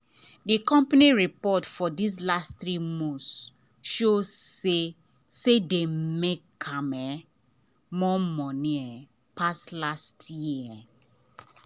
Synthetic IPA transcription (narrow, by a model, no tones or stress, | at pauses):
dikɔ̃mpaniɹipɔtfɔdis̬lastɹimõs | ʃose | sedemekkʰãmɛ | mɔmɔnĩɛ | paslastjiə